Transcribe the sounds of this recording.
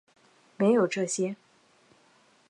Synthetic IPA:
me˧˥ɪjo˨˩ʊʈ͡ʂɤ˥˩ɕjɛ˥

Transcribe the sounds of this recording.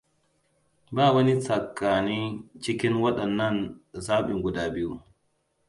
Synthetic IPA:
baː˦˨wɐ˦ni˦t͡sɐ˨kːaː˨ni˦t͡ʃɪ˦kɪ˦nwɐ˦ɗɐ˨nːɐ˦˨nzaː˦ɓɪ˨ŋɡʊ˦daː˨bɪ˦ju˦

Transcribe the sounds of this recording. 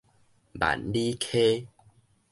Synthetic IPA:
ba̰˨nli˦kʰe˦

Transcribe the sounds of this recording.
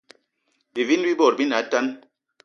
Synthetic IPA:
bi˨vi˦n˦bi˦bɔ˨ɾbi˦na˨˦ta˦n

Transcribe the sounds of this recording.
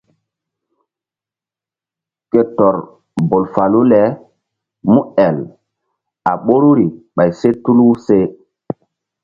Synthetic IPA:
ke˨tɔ˨ɾ | bo˨lfa˨lu˦lɛ˨˦ | mu˦ɛ˨l | a˨ɓo˦ɾu˦ɾi˨ɓa˨jse˦tu˦lu˦se˦

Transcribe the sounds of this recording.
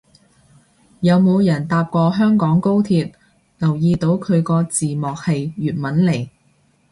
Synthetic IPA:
jɐ˨˧wmo˨˧wjɐ˨˩nt̪aː˧p̚kɔː˧ɦœː˥ŋkɔː˨˥ŋko˥wt̪ʰiː˧t̚ | lɐ˨˩wjiː˧t̪o˨˥wkʰɵ˨˧ɥkɔː˧t͡siː˨mɔː˨k̚he˨jjyː˨t̚mɐ˨˥nle˨˩j

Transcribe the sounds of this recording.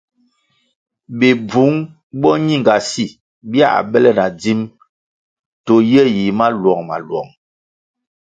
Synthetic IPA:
bi˨bu˨˦ŋ | bɔ˦ɲi˦˨ŋɡa˨si˦˨ | bja̰˦˨a̰˨bɛ˦lɛ˦˨na˨d͡zi˦m | to˨jɛ˦ji˨˦ma˦lwɔ˨ŋma̰˨lwɔ̰˨ŋ

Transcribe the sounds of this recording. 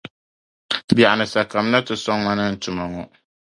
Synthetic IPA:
bi˨a˨a˨nɨ˨sa˨ka˨m˦na˦tɪ˨sɔ˦ŋŋa˦nɨ˦n̩˦tʊ˨ma˨ŋɔ˨

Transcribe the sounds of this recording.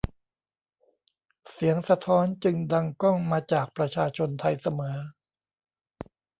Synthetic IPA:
si˩˦əŋsa˧t̪ʰɔː˦˥nt͡ɕɯ˧ŋda˧ŋkɔ˥˩ŋmaː˧t͡ɕaː˨˩k̚pɾa˧t͡ɕʰaː˧t͡ɕʰo˧nt̪ʰa˧jsa˧mɤː˩˦

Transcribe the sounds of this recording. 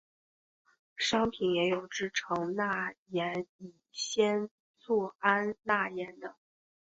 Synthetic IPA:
ʂɑ˥ŋpʰi˧˥njɛ˧˥jo˨˩ʊʈ͡ʂɻ̩˥˩ʈ͡ʂʰɤ˧˥ŋna˥˩jɛ˧˥ni˨˩ɕjɛ˥n | t͡swɔ˥˩a˥nna˥˩jɛ˧˥nd̪ə˨˩

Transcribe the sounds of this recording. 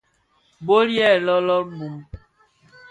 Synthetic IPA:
bo˦ɾjɛ˦˨lɔ˦lɔ˦ɾmu˨m

